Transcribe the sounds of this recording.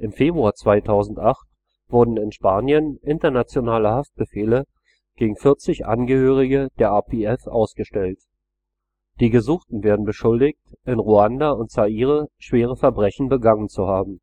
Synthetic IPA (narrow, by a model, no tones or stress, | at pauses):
ʔɪmfeːbʁuaːɐt͡sv̥aɪtʰaʊzn̩tʔaχt | v̥ʊɐdn̩ɪnʃpaːnjənʔɪntɐnat͡sjonaːləhaft̚b̥əfeːlə | ɡ̥eːɡŋ̩fɪɐt͡sɪçʔa̰nɡəhøːʁ̞ɪɡəd̥eːɐʔaːpʰeɛfʔa̰ʊsɡ̥əʃtɛlt | d̥iːɡəzuːχtn̩veːɐdn̩bəʃʊldɪçtɪnʁuandaʊntsaʔiːʁəʃv̥eːʁ̞əfɛɐbʁɛçn̩bəɡaŋənt͡suhaːbm̩